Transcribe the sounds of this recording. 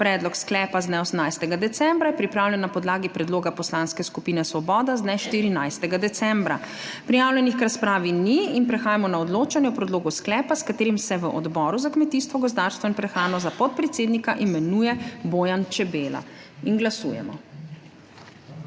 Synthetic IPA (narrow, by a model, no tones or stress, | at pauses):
pɾɛːd̪lɔksklɛːpazd̪nɛɔsəmnajst̪ɛɡad̪ɛt̪sɛmbɾajɛpɾipɾawlɛnːapɔd̪laːɡipɾɛd̪loːɡapɔslaːnskɛskupiːnɛsʋɔbɔːd̪aznɛʃt̪iɾinajst̪ɛɡad̪ɛt̪sɛmbɾa | pɾijaːwlʲjɛnixkɾaspɾaːʋiniinpɾɛxaːjamɔnaɔd̪loːt͡ʃanjɛwpɾɛd̪loːɡusklɛːpaskat̪eːɾimsɛʋəʔɔd̪bɔːɾuzakmɛt̪ist̪ʋɔɡɔzd̪aːɾst̪ʋɔinpɾɛxɾaːnɔzapɔt̪̚pɾɛt̪seːd̪nikaʔimɛnujɛbojant͡ʃɛbeːla̰ | inɡlasṵːjɛ̰mɔ̰